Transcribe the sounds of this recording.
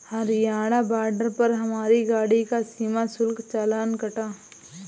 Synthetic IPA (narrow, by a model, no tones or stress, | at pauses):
hɐɾjaːɽabaːɖəɾpɐɾɦɐmaːɾiɡaːɽikasiːmasʊlkt͡ʃaːlaːnkɐʈaː